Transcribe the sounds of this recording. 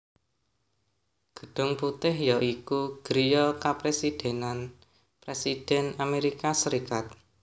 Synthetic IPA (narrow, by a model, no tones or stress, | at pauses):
ɡ̥ə̥̤ɖ̥ʊ̤ŋput̪ɪhjɔʔikuɡ̥ɾijɔkapɾesid̥e̤nan | pɾesid̥ɛnameɾikasəɾikat̪̚